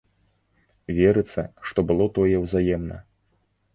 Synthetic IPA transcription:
vʲɛɾɨt̪sɐ̰ʂt̪ɔbɨlˠɔt̪ɔjɛwzajɛmnɐ̰

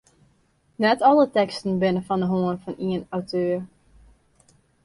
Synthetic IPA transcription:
nɛtɔlˠətɛkstn̩bɪnəfɔndəɦoənfɔniənawtʰøːr

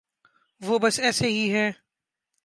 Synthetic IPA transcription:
ʋobɐsɛːseɦiɦɛː

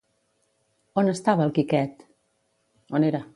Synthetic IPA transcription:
onəst̪aβəːlˠkikɛt̪ | oneɾə

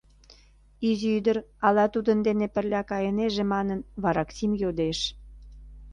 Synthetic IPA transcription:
iziyd̪əɾɑlɑt̪ud̪ənd̪enepə̆rlʲɑkɑjeneʒemɑnənβɑɾɑksimjod̪eʃ

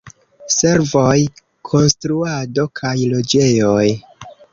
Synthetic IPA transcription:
se̞ɾvo̞j | kʰo̞nstɾuado̞kʰajlo̞d͡ʒe̞jo̞j

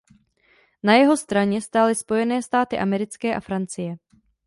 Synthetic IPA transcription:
najɛɦo̞st̪ɾaɲɛst̪aːlɪspo̞jɛnɛːst̪aːt̪ɪʔamɛɾɪt͡skɛːʔafɾant͡sɪjɛ

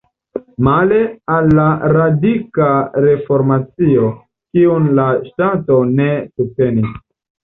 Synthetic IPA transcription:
male̞alːaɾadikaɾe̞fo̞ɾmat͡sio̞ | kiunlaʃtato̞nesup̚te̞nis

